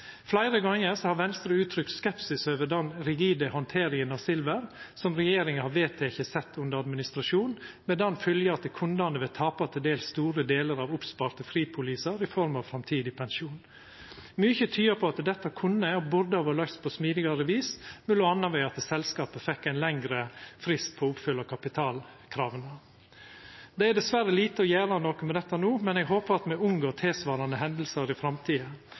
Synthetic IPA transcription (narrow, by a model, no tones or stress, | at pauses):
flæɪɾəɡɑŋːəɾsɔhɑɾʋɛnst̪ɾəʉːt̪ʰɾʏkt̪skɛpsɪsøːʋəd̪ɛnɾɪɡiːd̪əhɔnt̪ʰeːɾɪŋənɑʋsɪlʋəɾsɔmɾɛjeːɾɪŋəhɑɾʋeːt̪ʰeːɪçəsɛt̪ːʉnd̪əɾɑd̪mɪnɪst̪ɾɑʂuːnmɛd̪ɛnfʏljɑɑt̪ɛkʰʊnd̪ɑnəʋeːt̪ʰɑːpɑt̪ʰɪld̪eːlst̪uːɾəd̪eːləɾɑːʋʊpspɑɾt̪əfɾiːd̪̚pʰʊliːsəɾɪfɔɾmɑʋfɾɑmt̪ʰiːd̪ɪpʰɛnʃuːn | myːçət̪ʰyːəpʰɔɑt̪d̪ɛt̪ːɑkʰʊnːəɔbʊɾd̪əoːʋəɭœkst̪pʰɔsmiːd̪ɪɡɑɾəʋiːsmɪlːʊɑnːɑɾʋɛɪɑt̪sɛlskɑːpəfɛkːæɪnlɛŋɡɾəfɾɪst̪̚pʰɔɔʊpfʏlːɑkʰɑpɪt̪ʰɑːlkʰɾɑːʋənə | d̪ɛæd̪ɛsʋæɾːəliːt̪əɔjæːɾɑnoːkɔmɛd̪ɛt̪ːɑnuːmɛnɛɡɦoːpəɾɑt̪mɛʊŋɡoːt̪ʰɛːsʋɑːɾɑnəɦɛnd̪lsəɾɪfɾɑmt̪ʰiːɑ